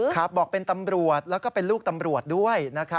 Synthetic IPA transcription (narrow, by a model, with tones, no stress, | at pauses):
kʰa˦˥p̚bɔː˨˩k̚pe˧nt̪a˧mɾu˨˩ət̪̚lɛː˦˥wkɔː˥˩pe˧nluː˥˩k̚t̪a˧mɾu˨˩ət̪̚du˥˩əjna˦˥kʰa˦˥